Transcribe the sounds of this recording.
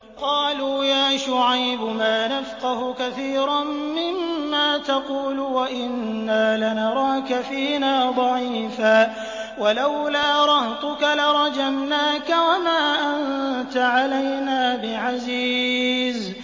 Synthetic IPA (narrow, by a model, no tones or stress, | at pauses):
qɑːluːjaːʃʊʕajbʊmaːnafqɑhʊkaθiːɾammɪmːaːt̪ɑquːlʊwaʔɪnːaːlanɑɾˤɑːkafiːnaːd̪ˤɑʕiːfaː | walawlaːɾˤɑht̪ʊkalaɾˤɑd͡ʒamnaːkawamaːʔant̪aʕalajnaːbɪʕaziːz